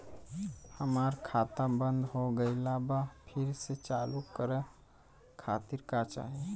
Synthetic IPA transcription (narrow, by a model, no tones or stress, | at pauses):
həmaɾkʰat̪ãbə̃nd̪ɦoɡəɪlabapʰiɾset͡ʃalukːəɾɛ | kʰat̪iɾkat͡ʃa̰ɦi